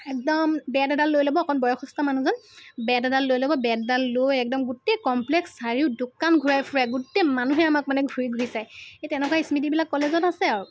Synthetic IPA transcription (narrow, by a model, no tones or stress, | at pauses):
ɛk̚dɔmbɛddalːojlobɔkʰɔnbɔjɔxɔstamanuzɔnbɛddalːojlobɔbɛddalːojɛk̚dɔmɡutɛjkɔmplɛksːaɹiʊdukanɡʱuɹajpʰuɹaɡutemanuɦɛamak̚manɛɡʱuɹiɡʱuɹisajetɛnɛkaismidibilakːɔlezɔtasɛaɹu